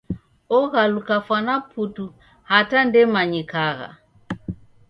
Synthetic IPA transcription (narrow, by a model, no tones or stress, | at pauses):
ɔɣalukafwanapʰutu | hatandɛmaɲikaɣa̰